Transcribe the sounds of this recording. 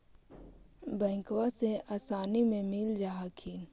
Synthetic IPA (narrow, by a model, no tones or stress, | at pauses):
bɛ̃ːkwaseaːsaːnimẽmɪld͡ʒaːɦakʰiːn